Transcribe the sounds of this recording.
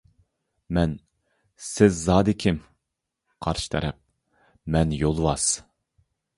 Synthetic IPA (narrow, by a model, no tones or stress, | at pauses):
mɛn | sɪzːɑːd̪ɪkʲʰɪm | qʰɑɾʃɨ̥t̪ʰɛɾɛp̚ | mɛnjolˠwɑs